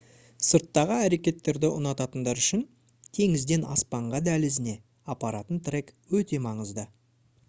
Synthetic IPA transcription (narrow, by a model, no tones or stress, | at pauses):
səɾt̪ːɑʁəæɾe̞kʲe̞t̪ːe̞ɾd̪ɪʔʊnɑt̪ɑt̪ənd̪ɑɾʏʃɪn | t̪ʰe̞ŋɪzd̪e̞nɑ̰spɑɴʁɑd̪ælɪzɪne̞ | ɑpɑɾɑt̪ənt̪rekwɵt̪e̞mɑɴəzd̪ə